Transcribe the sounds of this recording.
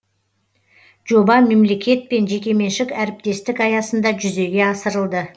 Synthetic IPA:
ʒ̥o̞bɑme̞mle̞kʲe̞t̪̚pe̞nʒe̞kʲe̞me̞nʃɪkʲæɾɪp̚t̪e̞st̪ɪkɑjɑsənd̪ɑʒʏze̞ɡʲe̞ɑsəɾəlˠd̪ə

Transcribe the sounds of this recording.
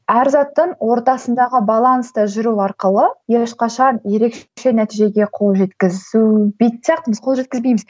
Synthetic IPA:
æɾzɑt̪ːəɴwo̞ɾt̪ɑsənd̪ɑʁəbɑlˠanst̪ɑʒʏɾuɑɾqəlˠəjeʃqɑʃɑnje̞ɾe̞kʃʃe̞næt̪ijʒe̞ɡʲe̞qʰo̞lˠʒe̞t̪kʲɪzubejt̪sejɑq̚t̪əməzqʰolˠʒe̞t̪kʲɪzbe̞jmɪz

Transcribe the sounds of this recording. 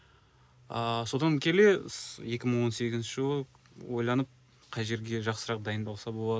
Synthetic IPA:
əso̞d̪ɑŋkʲʰe̞le̞je̞kʲɪməɴwo̞nse̞ɡʲɪznʃɪʒəlˠə | wojlˠɑnəp̚ | qʰɑjʒe̞ɾɡʲe̞ʒɑqsəɾɑqd̪ɑjənd̪ɑlˠsɑbo̞lˠɑd̪ə

